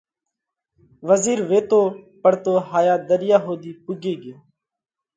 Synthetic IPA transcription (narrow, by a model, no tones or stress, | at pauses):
ʋəziːɾʋeːt̪oːpəɽt̪oːɦaːjaːd̪əɾɪjaːɦoːd̪iːpʊɡeːɡeː